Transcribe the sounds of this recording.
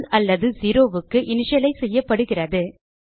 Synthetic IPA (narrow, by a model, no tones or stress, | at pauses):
lɐlːɐðɯsiːɾoːʋɯkːɯʔɪnɪʂɐlɐɪsɛjːɐpːɐɽɯɣɪrɐðɯ